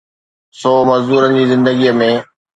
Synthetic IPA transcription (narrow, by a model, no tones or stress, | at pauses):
sɔːmɐzd̪uːɾənɪ̆d͡ʑiːzɪ̃nd̪əɡiəmẽ